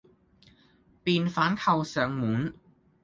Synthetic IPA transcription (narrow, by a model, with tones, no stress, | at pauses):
piː˨nfaː˨˥nkʰɐ˧wsœː˨˧ŋmuː˨˥n